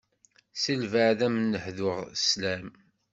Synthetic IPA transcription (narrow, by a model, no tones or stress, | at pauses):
silvəʕðæmənːəħðʊʁslæm